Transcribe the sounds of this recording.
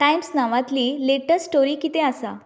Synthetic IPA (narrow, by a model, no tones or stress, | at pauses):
ʈajmsnaʋãt̪liːleʈəssʈoɾiːkit̪easa